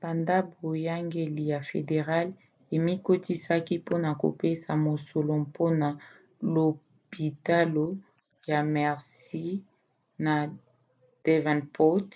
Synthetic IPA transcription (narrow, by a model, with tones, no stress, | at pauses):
ba˨nda˦bo˨ja˦ŋɡe˨li˨ja˨fḛ˨de˨ʁa˦l | e˨mi˦ko˦ti˦sa˦ki˦po˦na˨ko̰˨pe˦sa˨mo˨so˨lo˨po˦na˨ | lo˨ | pi˨ta˦lo˦ | ja˨mɛ˨ʁsi˦ | na˨ | d̥e˦vɛ̃˨npʰo˦t